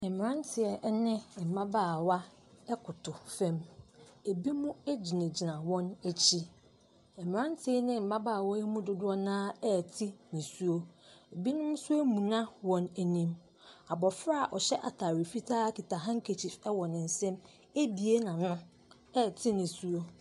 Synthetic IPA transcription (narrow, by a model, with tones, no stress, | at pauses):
ɛ˨m˨ɾã˦ntʰɪ˨ɛ˨ʔnɪ̃˦˨m̩˨mã˦baː˦˨wa˦ | ɛ˦kʰʊ˨tʰʊ˨fɛ̃˦me˨bi˦mũ˦e˦d͡ʑi˨nẽ˨d͡ʑi˨nã˨wɔ̃˦næ˨t͡ɕʰi˦ | ɛ˨mɪ̃˨ã˦ntʰɪ˨ɛ˦nɪ̃˦m̩˨ma˦baː˦˨wɔ˦e˦mũ˦dʊ˦dʊ˦ɔ˦nãː˦ɛ˦˨tʰɪ˦nĩ˨su˦o˦e˨bi˦nʊ̃˦m˦sʊ˦æ˦mũ˨nã˦wɔ̃˨næ˨nĩ˦m | a˨bɔ˨fɾa˦˨a˨ʔɔ˨ɕɛ˦ʔa̰˨tʰa˨ɾɪ˨fi˦tʰaː˦ki˨tʰa˨ɦã˦ŋ̩˦kʰe˨t͡ɕʰi˨ɾɛ˦wɔ˨nɪ̃˨n̩˨sɛ̃˦m | e˦bi˨e˦nã˨nʊ̃˦ | ɛ˦˨tʰɪ˦nĩ˨su˦o˦